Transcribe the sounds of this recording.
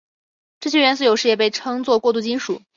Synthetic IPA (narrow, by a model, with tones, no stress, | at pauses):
ʈ͡ʂɤ˥˩ɕ̬ɥɛ˥˧ɥɛ˧˥ns̬̩˥˩jo˨˩ʊʂɻ̩˥˩jɛ˨˩pe˥˩ɪʈ͡ʂʰɤ˥ŋt͡swɔ˥˧kwɔ˥˧t̪u˥˩t͡ɕi˥nʂu˨˩˦